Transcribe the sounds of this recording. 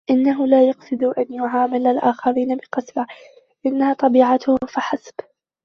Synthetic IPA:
ʔɪnːaɦʊlaːjɑqsˤɨd̪ʔanjʊʕaːmɪlalʔaːxɑɾiːnabɪqɑsba | ʔɪnːahaːt̪ˤɑbiːʕat̪ʊhʊfaħasb̥

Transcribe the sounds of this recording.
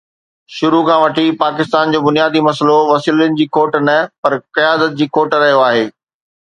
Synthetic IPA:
ʃʊɾukʰãʋɐʈʰipaːkɪst̪aːnd͡ʑoːbʊnijaːd̪imɐsəloʋɐsiːlənɪ̆d͡ʑiːkoːʈnɐpɐɾkɐjaːd̪ət̪̚d͡ʑiːkoːʈɾɐɦijoaːɦeː

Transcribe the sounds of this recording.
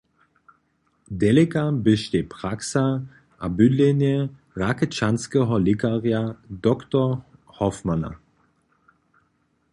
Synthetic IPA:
dɛlɪkabəʃteːpʁ̥aksa | ʔabʏdlɛnjə | ʁakət͡ʃanskəɦɔlɪkaʁjadɔktɔ | hɔfmana̰

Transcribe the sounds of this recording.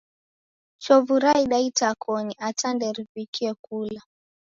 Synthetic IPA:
t͡ʃɔvuɾaiɗaitakʰɔniʔatandɛɾipikiɛkula

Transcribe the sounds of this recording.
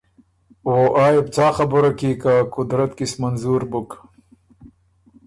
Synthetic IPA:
woʔɑːjeb̚t͡sɑːxɐbəɾakikakʊd̪ɾɐt̪kismanzuɾbʊk

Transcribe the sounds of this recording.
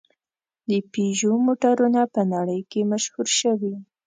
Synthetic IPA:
d̪əpeʒomoʈaɾunapənaɽəjkemaʃhuɾʃəwi

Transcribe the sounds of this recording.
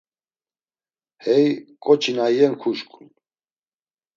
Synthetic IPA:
hɛjkʼɔt͡ʃʰinajɛnkʰuʃkʰʼun

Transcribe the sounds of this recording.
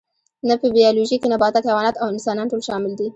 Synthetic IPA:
napəbijɑloʒikenabɑt̪akxewɑnat̪awɪnsɑnɑnʈolʃɑmɪld̪i

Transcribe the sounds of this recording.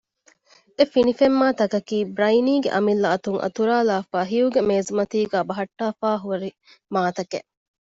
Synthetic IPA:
efinifemːaːt̪ɐkɐkiːbɾɐjniːɡeʔɐmilːɐɐt̪uŋʔɐ̰t̪uɾaːlaːfaːɦiuɡemeːzumɐt̪iːɡæːbɐɦɐʈːaːfaːɦuɐɾi | maːt̪ɐkḛ

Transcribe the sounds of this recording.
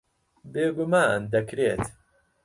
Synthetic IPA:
beːɡʊmaːnd̪ɐkɾeːt̪

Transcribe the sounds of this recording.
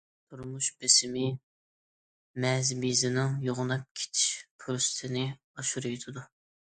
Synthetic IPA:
t̪ʰuɾmuʃbɪsɪmɪ | mɛzbizɪnɪŋjoʁʊnɑp̚kʲʰe̥t͡ʃʰɪ̥ʃpʰuɾst̪ʰɪnɪ | ɑʃuɾujt̪ʰɨd̪u

